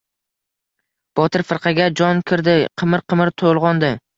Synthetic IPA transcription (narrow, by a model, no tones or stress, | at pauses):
b̥ɒt̪ʰɪɾfɨɾqʰɑɡʲad͡ʒɒnkʲʰɪɾd̪ɪqʰɨmɪɾqʰɨmɪɾt̪ʰolˠʁɒnd̪ɪ